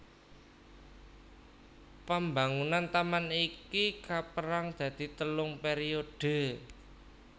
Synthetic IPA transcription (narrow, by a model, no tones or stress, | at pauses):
pəmbaŋunant̪amanikikapəɾaŋd̪̥ä̤d̪̥i̤t̪əlʊŋpeɾiod̪̥ə̤